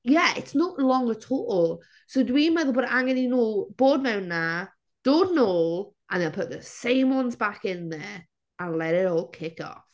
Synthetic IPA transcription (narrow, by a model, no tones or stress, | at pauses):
jɛɪ̰tsnɔʔlˠɔ̃ŋətʰoːlˠ | sowdwimɛðəbɔːdəʔaŋɛninoːb̥oːd̚mawnːa | d̥oːdnoːlˠʔə̃nðənpʰʊʔ̚ðəsẽɪ̃mwʌ̃nzbakɪ̃nðɛ | ə̃nlˠɛɾɪɾɔːlˠkʰɪkɔ̰